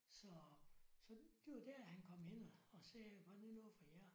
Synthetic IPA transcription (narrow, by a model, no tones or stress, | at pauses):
sɒsɒ̽d̥eʋɑd̥æɐæhænkʰɒ̽mhen̰ɒːsɛːʋænunoð̩ˠfɑjæ